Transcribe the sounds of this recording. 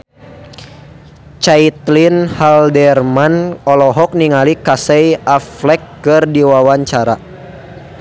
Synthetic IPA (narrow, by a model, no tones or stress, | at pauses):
t͡ʃait̪linhaldɛrmanɔlɔɦɔk̚niŋalikasɛjaflɛkːɨrdiwawaɲt͡ʃaɾa